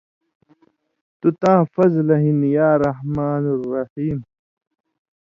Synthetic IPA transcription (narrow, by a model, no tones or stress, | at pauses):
t̪ut̪ãːfɐzlɐɦinjaːɾɐhmaːnrːɐħiːm